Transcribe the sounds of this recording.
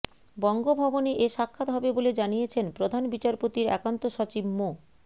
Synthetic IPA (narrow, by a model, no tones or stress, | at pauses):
bɔŋɡobʱɔboneʔeʃakʰːat̪ɦɔbeboled͡ʑanijet͡ɕʰenpɾod̪ʱanbit͡ɕaɾpot̪iɾɛ̰kant̪oʃɔt͡ɕibmo